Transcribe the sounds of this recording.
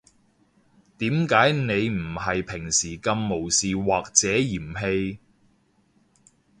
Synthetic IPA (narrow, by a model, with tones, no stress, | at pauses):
t̪iː˨˥mkaː˨˥jne˨˧jm̩˨˩hɐ˨jpʰɪ˨˩ŋsiː˨˩kɐ˧mːo˨˩wsiː˨waː˨k̚t͡sɛː˨˥jiː˨˩mɦe˧j